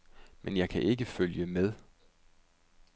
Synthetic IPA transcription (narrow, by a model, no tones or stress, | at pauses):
mʔenjɑ̈ɪkʰæʔe̝ɡ̥əføljəmeð̞ˠ